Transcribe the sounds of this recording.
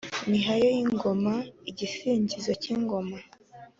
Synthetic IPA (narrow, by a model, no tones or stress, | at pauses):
imiɦajo̞jiŋŋɡo̞maiɟifiːɲɟizo̞ciŋɡo̞ma